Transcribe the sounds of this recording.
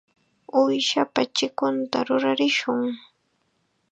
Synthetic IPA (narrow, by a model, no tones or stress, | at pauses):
ʊjʃapat͡ʃɪkʊnt̪aɾʊɾaɾɪʃʊŋ